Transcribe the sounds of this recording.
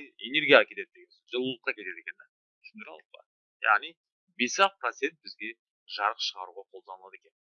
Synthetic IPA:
ene̞ɾɡʲijɑkʲʰe̞t̪e̞d̪̚d̪eɡʲesʒəlˠəlˠəq̚ːɑkʲʰe̞t̪e̞d̪ekʲe̞nɪ̥ | ʃɪnd̪ɾɑ̰əq̚pɑ̰ | ja̰ʁnij | be̞sɑq̚pɾot̪se̞nt̪̚bɪzɡʲe̞ | ʒɑɾəqʃəʁɑɾuʁɑqʰo̞lˠd̪ɑnəlˠɑd̪e̞kʲe̞n

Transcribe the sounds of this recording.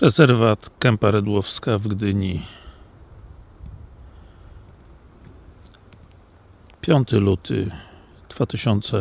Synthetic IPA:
ɾɛzɛɾvat̪kɛmpaɾɛd̪wɔfskavɡd̪ɘɲi | pʲjɔnt̪ɘlut̪ʰɘ̰ | d̪̥v̥at̪ɘɕɔnt̪sɛ

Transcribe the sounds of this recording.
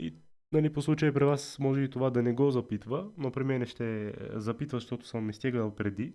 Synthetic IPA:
ḭ | nɐliposlˠut͡ʃəjəpɾivasmɔʒɛit̪ovad̪ɐnɛɡɔzɐpit̪vənopɾimɛnɛʃt̪ɛzɐpit̪vɐzɐʃt̪ɔt̪ʊ̥səmːɛst̪iɡ̪əpɾɛd̪i

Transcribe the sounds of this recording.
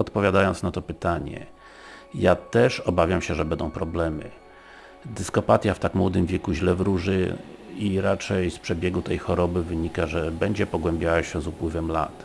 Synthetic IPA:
ɔt̪pɔvʲjad̪ajɔnt̪snat̪ɔpɘt̪aɲɛ̰ | jat̪ɛʂɔbavʲjamɕɛʐɛbɛnd̪ɔ̃w̃pɾɔblɛmɘ̰ | d̪ɘskɔpat̪ʲjaft̪akmwɔd̪ɘmvʲjɛkuʑlɛvɾuʐɘiɾat͡ʂɛjspʂɛbʲjɛɡut̪ɛjxɔɾɔbɘvɘɲikaʐɛbɛɲd͡ʑɛpɔɡwɛmbʲjawaɕɛzupwɘvɛmla̰t̪

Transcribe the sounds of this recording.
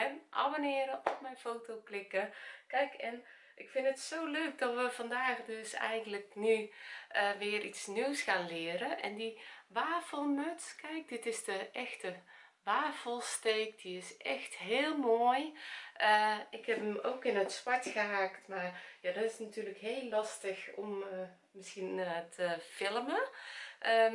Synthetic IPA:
ɛnʔa̰bonɪəɾəʔɔp̚mɛjnfoːtoːklɪkəkɛjkʰɛn | ʔɪkfɪntətsoːløːk̚dɔtʋəvɑndaːxdøsɛ̰jɣəndləknyʔəʋɪəritsniwsxaːnlɪːəɾəʔɛ̰ndiʋaːfəlˠmøtskʰɛjk̚dɪtɪsdəʔɛxtə | ʋaːfəlˠsteːk̚d̥iɪsʔɛxtɦeːlˠmoːjʔəɪkhɛpəmoːkɪnətsʋaɹtxəɦaːktmarjadɔtɪsnatyːləkheːlːɑstəxɔmə | mɪsxinətʰəfɪlˠəməʔə

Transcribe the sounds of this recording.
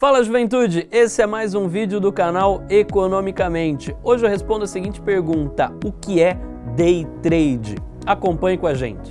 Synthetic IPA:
falɐʒuvẽnt̪ud͡ʒɪesɪɛmajzũvid͡ʒɪʊd̪ʊkanawekonõmikɐmẽnt͡ʃɪoʒɪewhespõd̪ʊɐsiɡĩnt͡ʃɪ̥peɾɡũnt̪ɐʊkɪɛ | d̪ejt̪ɾejd͡ʒɪ̰ | akõpɐ̃ɲʊkõaʒḛ̃nt͡ʃɪ̥

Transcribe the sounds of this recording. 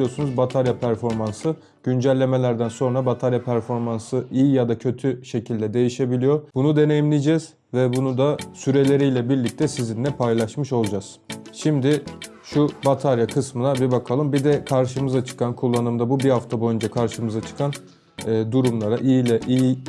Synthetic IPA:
ijo̞ɾsunuzbat̪ʰaɾjapʰæɾfo̞ɾmansɯ | ɟ̥ynd͡ʒælʲːe̞me̞lʲæɾd̪ænso̞nɾabat̪ʰaɾjapʰæɾfo̞ɾmansɯʔijijad̪acʰø̞t̪ʰyʃe̞cʰilʲd̪ɛd̪e̞jiʃe̞bilʲijo̞ɾbunud̪e̞ne̞jimlʲid͡ʒɛz̥ | vɛbunud̪asyɾe̞lʲe̞ɾijlʲɛbiɾlʲic̚t̪ʰɛsizinlʲɛpʰajlˠaʃmɯʃo̞lˠd͡ʒaz̥ | ʃimd̪ɪ | ʃubat̪ʰaɾjakʰɯsmɯnabibakʰalˠɯmbid̪ɛkʰaɾʃɯmɯzat͡ʃʰɯ̥kʰankʰulˠːanɯmd̪abubihaft̪ʰabo̞jynd͡ʒakʰaɾʃɯmɯzat͡ʃʰɯ̥kʰanː | d̪uɾumlˠaɾaʔijilʲɛʔiji

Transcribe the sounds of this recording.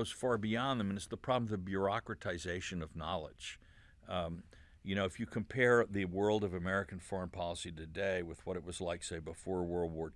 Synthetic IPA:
ʊz̥fɑɹbiɑ̃nðɨ̃mɨ̃nɨtsðəpʰɹ̥ɑbl̩mʌðɨbjʊ˞ɑkɹɨtʰaɪzeɪʃɨ̃nʌvnɑlˠɪ̰d̥d͡ʒ̥ | jɨñoʊɨfjɨkʰɨ̃mpʰɛɹðɨwɜ˞lˠdʌvɨmɛɹɨkn̩fɔɹə̃npʰɑlˠəsiɾɨdeɪwɨð̥wʌɾɨt̚wʌzlaɪkseɪbəfɔɹwɜ˞lˠd̚wɔɹ

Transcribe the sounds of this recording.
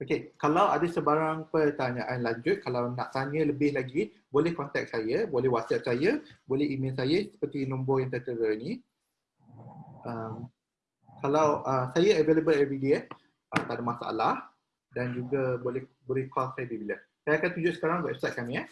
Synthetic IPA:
okekalawadasəbaɾaŋpərt̪aɲaʔanlaɲd͡ʒʊt̪̚kalawnaʔt̪aɲə̃ləbɪhlaɡi | bolɛhkɔnt̪ɛk̚sajəbolɛhwat̪̚sɛp̚sajəbolɛɦimels̬ajasə̥pərt̪inɔ̃mbɔjaŋt̪ət̪əɾəni | ʔəm | kalawʔəsajaəveləbəlɛvɾidiə | ʔəmt̪adamãsa̰ʔa̰lah | dand͡ʒuɡabolɛh | bolɛhkɔlsajəbibilə | sajakant̪uɲd͡ʒʊʔsə̥kaɾaŋɡaʔɛfsajt̪̚kamĩa

